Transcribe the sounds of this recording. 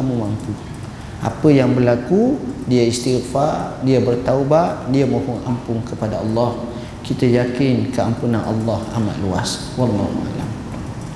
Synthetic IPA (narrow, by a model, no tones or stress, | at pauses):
kamumampu | ʔa̰pəjaŋbərlakudiaist̪iχfadiabərt̪aubaʔdiamõhɔŋa̰mpʊŋkəpadaɑlːɑh | kit̪ajakɪnkəampunanʔɑ̰lːɑha̰ma̰ʔ̪lua̰s | wɑlˤːɑhṵa̰la̰m